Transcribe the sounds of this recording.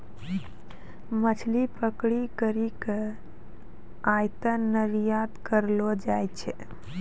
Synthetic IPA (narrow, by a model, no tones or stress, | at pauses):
mət͡ʃʰlipəkɽikəɾikə | ajt̪ənəɾijat̪kəɾlod͡ʒajt͡ʃʰɛ